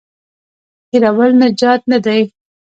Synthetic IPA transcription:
kiɾawəlnad͡ʒɑt̪̚nad̪aj

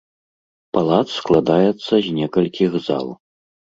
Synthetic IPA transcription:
palˠat̪ssklˠad̪ajɛt̪sːɐzʲnʲɛkɐlʲkʲiɣza̰lˠ

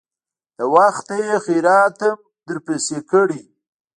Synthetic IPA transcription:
d̪əwaxt̪ejexiɾɑːt̪əm | d̪əɾpesekəɽi

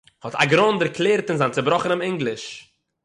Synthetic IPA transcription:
hɔtʰa̰ɡɾɔndəɾklˠeːɾtɪnzant͡sɪbɾɔχənɪmɪŋɡlˠɪʃ

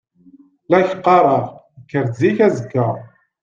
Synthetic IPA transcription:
læçə̥qːɑɾˤəʁ | əkːəɾziçæzəɡːə

